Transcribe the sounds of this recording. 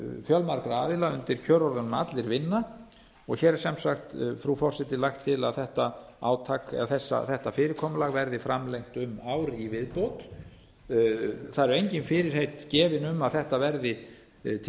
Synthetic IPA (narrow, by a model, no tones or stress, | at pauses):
fjœlmaɾkɾaːðɪlaʏnt̪ɪɾ̥cʰœːɾɔɾðanʏma̰t̪lɪɾvɪnːa | ɔɣçɛːɾsɛmsaxt̪fɾufɔr̥sɛt̪ɪlajxt̪ʰːɪla̰ðθɛht̪aaːwt̪ʰakɛ̰aθɛsːa̰θɛht̪afɪːɾɪɾkʰɔːmalaɣvɛɾðɪfɾamlejŋ̥t̪ʏmaːwɾivɪðpowt̪ | θaðɛɾʏejɲcɪnfɪɾɪɾ̥hejt̪cɛːvɪnʏmaðθɛht̪avɛɾðɪ | t̪ʰ